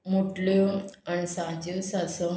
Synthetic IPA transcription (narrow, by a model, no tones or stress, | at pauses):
muʈljoanisãt͡ɕosasə